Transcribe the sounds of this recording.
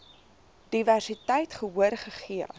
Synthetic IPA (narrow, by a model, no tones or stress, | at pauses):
d̥iværsitəjtχəuərχəχiə